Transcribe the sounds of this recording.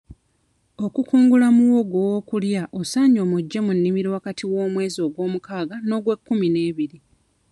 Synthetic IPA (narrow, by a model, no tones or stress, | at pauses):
o̞kukuːŋɡulamuwo̞ɡowokuljaʔosaɲo̞ːmuɟːe̞munːimiɾiwakatʰiwo̞ːmwe̞ːzio̞ɡwo̞ːmukaːɡano̞ːɡwe̞kːumine̞ːβiɾi